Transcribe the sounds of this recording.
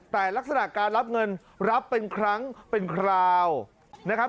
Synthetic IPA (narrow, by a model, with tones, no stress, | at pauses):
t̪ɛː˨˩la˦˥k̚sa˧na˨˩ʔkaː˧nɾa˦˥p̚ŋɤ˧n | ɾa˦˥pːe˧nkʰɾa˦˥ŋpe˧nkʰɾaː˧w | na˦˥kʰa˦˥